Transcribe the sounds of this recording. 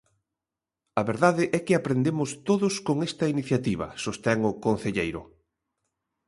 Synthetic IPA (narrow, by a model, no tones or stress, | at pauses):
ɐβeɾðaðɪʔɛkɪapɾend̪emʊst̪oðʊskoŋest̪ɐiniθjat̪iβ̞ɐ̰sost̪ɛŋʊkon̟θeʎejɾʊ̰